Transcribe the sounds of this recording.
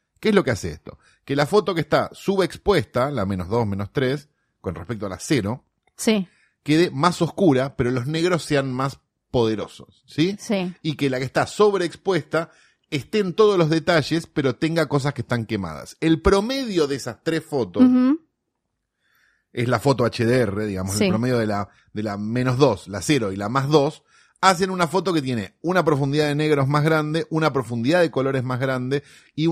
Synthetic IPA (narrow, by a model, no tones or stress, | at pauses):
keezlo̞keaseḛst̪o̞̰ | kelafo̞t̪o̞kest̪asuβeːkspwe̞st̪ala̰mẽnozðo̞smẽ̞nost̪ɾes | ko̞nrehpekt̪oala̰seɾo̞ | si | ke̞ðemaso̞skuɾapeɾo̞lo̞zne̞ɣɾosːe̞anmas | po̞ð̞eɾo̞̰so̞̥sːisiikelakest̪aso̞βɾeːkspwest̪a | est̪eːnt̪o̞ð̞ozlo̞zðet̪aʒespe̞ɾo̞t̪eŋɡako̞s̬aske̥st̪aŋkema̰ð̞a̰selpɾo̞meðjo̞ðeesast̪ɾesfo̞t̪os | eslafo̞t̪oat͡ʃeðeereðiɣamosepɾomeðjoðela | d̪elamẽ̞nozðo̞slaseɾo̞ilamazðo̞s | as̬e̞nunafo̞t̪o̞ke̞t̪̬je̞ne̞unapɾo̞fund̪iðaðene̞ɣɾozmazɣɾand̪e̞ʔunapɾo̞fund̪iðaðeko̞lo̞ɾezmazɣɾand̪e̞ | i